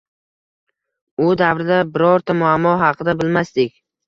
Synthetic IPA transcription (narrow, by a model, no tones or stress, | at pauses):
ʊd̪avɾɪd̪abɪɾɒɾt̪ʰamʊamːɒɦɑqʰɨd̪abɪlmast̪ɪkʲ